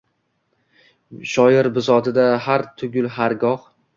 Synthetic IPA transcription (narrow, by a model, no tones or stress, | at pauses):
ʃɒjɪɾbɪzɒt̪ɪd̪ahaɾt̪ʰʊɡʲʊlˠɦaɾɡɒh